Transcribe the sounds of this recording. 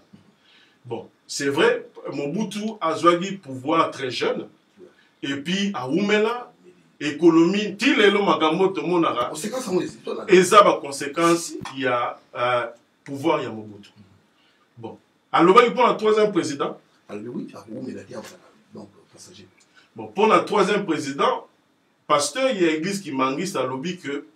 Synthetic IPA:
bɔ̃ | sɛvʁɛmobutuazwak̬ipuvwaʁtɛʒœn | epiawumela | ekolomitilelomakambotomonakakezabakɔ̃sekɑ̃sja | puvwaʁjamobuto̥ | bɔ̃ | alobakiponatχwazjɛmpχezidɑ̃ | bɔ̃ponatχwazjɛmpʁezidɑ̃ | pastœʁjaeɡlizkimaŋɡisalobikə

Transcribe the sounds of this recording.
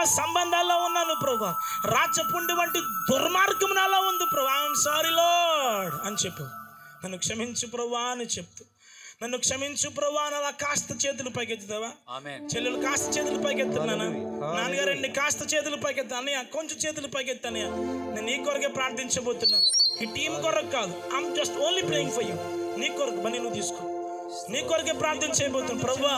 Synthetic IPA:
sɐmbɐnd̪ʱaːlːoːunːaːnupɾɐʋaː | ɾaːd͡ʒɐpuɳɖiʋɐɳʈid̪uɾmaːɾɡɐmunaːloːund̪ipɾɐʋaːmsaːɾiloːɽɐnit͡ʃepːɛ | nɐnːukʂɐmiɲt͡ʃupɾɐʋaːnit͡ʃep̚t̪u̥ | nɐnːukʂɐmiɲt͡ʃup̬ɾɐʋaːnɐlaːkaːst̪ɐt͡ʃeːt̪̬ulupɐjket̪ːud̪ɐʋaːt͡ʃelːilukaːst̪ɐt͡ʃeːt̪̬ulupɐjkɛt̪ːunːaːnanaːnɐɡaːɾɐɳɖikaːst̪ɐt͡ʃeːt̪̬ulupɐjkɛt̪̬ːɐnːɐjaːkoɲt͡ʃɐmt͡ʃeːt̪̬ulupɐjket̪ːɐnːɐjaːnenːiːkɔɾɐk̬eːpɾaːɾt̪ʰiɲt͡ʃɐboːt̪unːaːiːʈiːmkɔɾɐkːaːd̪uaːmd͡ʒɐsʈoːnliːplejiŋɡpoːjimniːkːɔɾɐkɐbɐnːinuːt̪iːsu̥kon | niːkɔɾɐk̬eːpɾaːɾt̪ʰɐnɐt͡ʃɛːjɐboːt̪unːapɾɐʋaː

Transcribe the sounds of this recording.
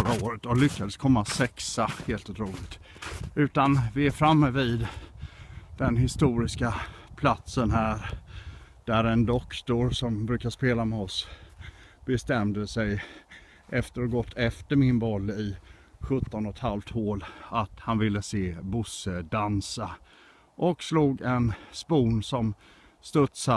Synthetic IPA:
fœɾaoːɾət̪ɔlʏkːad̪əskʰɔmːasɛksaheːlt̪ʊt̪ʰɾuːlɪɡt̪ | ʉ̟ːt̪anvɪæɾfɾamːəvɪd̪ | d̪̥ɛnɦɪst̪uːɾɪskapʰlat̪sənɦæːɾ | d̪̥æɾɛnd̪ɔkt̪ʊɾsɔmbɾʉ̟ːkaspeːlamɛɔs | bɛst̪ɛmd̪əsɛj | ʔɛft̪əɾɔɡɔt̪ʰːɛft̪əɾmɪnbɔlːɪ | ɧɵt̪ːɔnɔt̪halft̪hoːlat̪hanvɪlːəseːbʊsəd̪ansa | ʔɔksluːɡɛnspuːnsɔm | st̪ɵt̪sa

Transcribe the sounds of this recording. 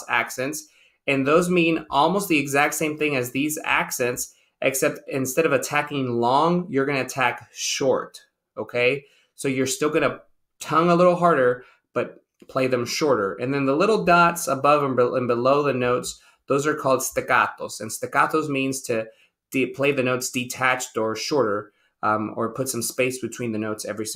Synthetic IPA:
æ̰ksɛ̃nts | ɨ̃nðoʊzmĩnʔɔlˠmoʊst̪̚ðiɨɡzæk̚tsẽɪ̃mθɪ̃ŋɨzðizæ̰ksɛ̃nts | ʔɨksɛp̚tɨ̃nstɛɾʌvɨtʰækɪ̃ŋlɔ̃ŋjə˞ɡʌñɨɨtʰækʃɔɹt | oʊkʰeɪ | soʊjə˞stɪlˠɡʌnə | tʰʌ̃ŋəlɪɾl̩ˠɦɑɹɾə˞ | b̥ʌt̚ | pʰl̥eɪðɨ̃mʃɔɹɾə˞ʔɨ̰̃nðɨ̃nðəlɪɾl̩ˠdɑtsəbʌvə̃nbə̃nbəloʊðɨnoʊts | ðoʊzə˞kʰɔlˠd̥stɨkɑ̰θoʊz̥ɨ̃nstɨkɑθoʊzmĩnz̥tʰɨ | d̥ɪpʰl̥eɪðɨnoʊtsd̥ɨtʰæt͡ʃtə˞ʃɔɹɾə˞ | ə˞pʰʊtsʌ̃mspeɪsb̥ɨtʰw̥ĩnðɨnoʊtsɛvɹis

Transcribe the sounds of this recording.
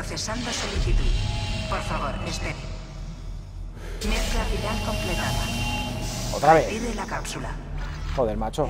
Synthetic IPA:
oθe̞sand̪osoliθit̪uðpoɾfaβ̞oɾespeɾ | melafilalko̞mplet̪aða̰ | ot̪ɾaβeiɾelakapsula̰xoðelmat͡ʃo

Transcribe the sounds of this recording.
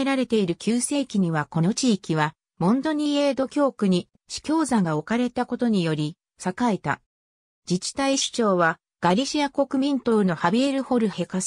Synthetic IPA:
eɾaɾe̞t̪e̞iɾɯ̟kʲɨːse̞ːkʲiɲ̟iβako̞no̞t͡ɕiːkʲiβa | mõ̞nd̪o̞ɲ̟ie̞ːd̪o̞kʲo̞ːkɯ̟ɲ̟i | ɕi̥kʲo̞ːzãŋɡao̞kaɾe̞t̪ako̞t̪o̞ɲ̟ijo̞ɾʲi | sakaet̪a̰ | d͡ʑit͡ɕi̥t̪aiɕi̥t͡ɕo̞ːβa | ɡ̥aɾʲiɕiako̞kɯ̟mʲĩnt̪o̞no̞habʲieɾɯ̟ho̞ɾɯ̟he̞kas

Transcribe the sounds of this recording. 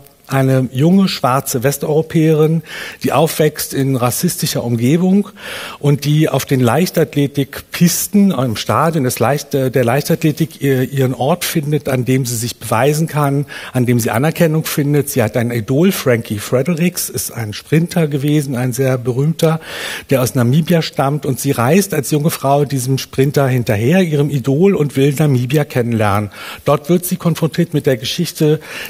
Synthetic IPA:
ʔaɪnəjʊŋəʃv̥aɐt͡səvɛstɔʏʁopʰɛːəʁɪnd̥iːʔaʊfv̥ɛkstɪnʁasɪstɪʃɐʔʊmɡeːbʊŋʔʊnt̚d̥iːa̰ʊfd̥eːnlaɪçtatleːtɪkpʰɪstn̩ɪmʃtaːdjondɛslaɪçtdeːɐlaɪçtatleːtɪkːʔiːʁənʔɔɐtfɪndətandeːmziːzɪçb̥əvaɪzn̩kʰanʔandeːmziːʔa̰nɛɐkʰɛnʊŋfɪndətz̥iːhatʔaɪnənidoːlfʁ̥ɛŋkʰifʁ̥ɛdəʁɪksɪsta̰ɪnʃpʁ̥ɪntʰɐɡəveːzn̩aɪnzeːɐbəʁ̞yːmtɐd̥eːɐaʊsnamiːbjaʃtamtʊntz̥iːʁaɪstalsjʊŋəfʁ̥aʊdiːzəm̩ʃpʁ̥ɪntɐhɪntɐɦeːɐʔiːʁ̞əmidoːlʊntv̥ɪlnamiːbjakʰɛnənlɛɐnənd̥ɔɐtv̥ɪɐtz̥iːkʰɔnfʁ̥ɔntʰiːɐtmɪt̚d̥eːɐɡəʃɪçtə

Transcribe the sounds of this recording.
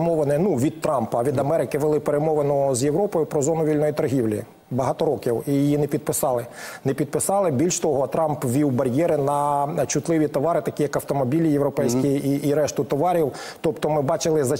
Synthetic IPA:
mɔʋenɛnuʋʲid̪̚t̪ɾɑmpɐʋʲid̪ɐmɛɾɪkɪʋelˠɪpeɾemɔʋenɔzjewɾɔpɔjʊpɾɔzɔnʊʋʲilʲnɔjit̪ɐrɦʲiwlʲḭ | bɐɦɑt̪ɔɾɔkʲiwijjinɛpʲid̪̚pɪsɑlˠɪ | nɛpʲid̪̚pɪsɑlˠɪbʲilʲʃt̪ɔɦɔt̪ɾɑmpʋʲiwbɐɾʲjɛɾɪnɐt͡ʃʊt̪lˠɪʋʲit̪ɔʋɑɾɪt̪ɐkʲijɐkɐwt̪ɔmɔbʲilʲijewɾɔpɛjsʲkʲiiiɾɛʃt̪ʊt̪ɔʋɑɾʲiw | t̪ɔpt̪ɔmɪbɑt͡ʃɪlˠɪzɐ

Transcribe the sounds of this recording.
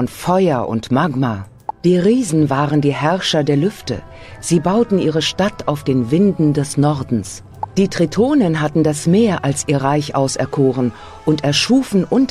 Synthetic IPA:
nfɔʏɐʔʊ̰ntmaɡma | d̥iːʁiːzn̩vaːʁəndiːhɛɐʃɐdeːɐlʏftə̰ | z̥iːbaʊtn̩ʔiːʁəʃtatʰaʊfd̥eːnvɪndn̩dɛsnɔɐdn̩s | d̥iːtʁ̥itʰoːnənɦatn̩dasmeːɐʔalsʔiːɐʁaɪçʔaʊsɛɐkʰoːʁən | ʔʊntɛɐʃuːfn̩ʔʊnt

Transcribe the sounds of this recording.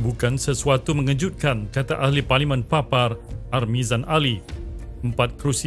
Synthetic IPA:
bukansəsuat̪umə̃ŋəd͡ʒut̪̚kankat̪aʔahliparlimãnpapararmĩzanʔali | əmpat̪̚kɾusi

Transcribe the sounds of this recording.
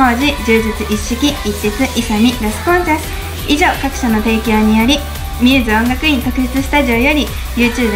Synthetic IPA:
o̞ːʑid͡ʑɨːd͡ʑit͡sɨʔiɕːikʲiitːet͡sɨʔisom̟ʲiɾesɨ̥põ̞ñsasɨ̥ | iʑo̞ːkakɯ̟̥ɕano̞t̪e̞ːkʲo̞ːɲ̟ijo̞ɾʲi | mʲɨːzɨõ̞ŋɡakɯ̟ik̪okɯ̟ɕi̥t͡sɨsɨ̥t̪aʑio̞jo̞ɾʲi | jɯːt͡ɕɨːb

